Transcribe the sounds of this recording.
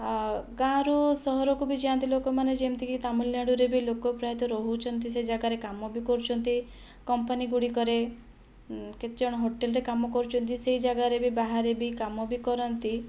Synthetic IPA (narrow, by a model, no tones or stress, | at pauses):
ɡãɾusɔɦɔɾɔkubʱid͡ʒiãnt̪ilokɔmaned͡ʒemt̪ikit̪amulnaɽuɾebilokɔpɾajat̪ɔɾɔɦut͡ʃʰɔnt̪ised͡ʒaɡaɾekamɔbikɔɾut͡ʃʰɔnt̪i | kɔmpaniɡuɽikɔɾe | ket̪d͡ʒɔɽ̃ɔɦoʈelɾekamɔkɔɾut͡ʃʰɔnt̪iseɦid͡ʒaɡaɾebibaɦaɾebikamɔbikɔɾɔnt̪i